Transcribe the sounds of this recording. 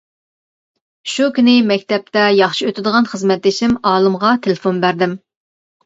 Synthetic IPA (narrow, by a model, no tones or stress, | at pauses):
ʃukʲʰynɪmɛkʲt̪ɛp̚t̪ɛjɑχʃiøt̪ʰɪd̪əʁɑnχəzmɛt̪ːɪʃimɑːlˠɨmʁɑt̪ʰelɪfonbæɾd̪ɪm